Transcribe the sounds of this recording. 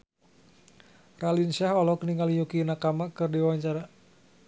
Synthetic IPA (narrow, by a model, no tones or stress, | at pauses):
ralinsaɦɔlɔkəniŋalijukinakamakərdiwaɲt͡ʃaɾa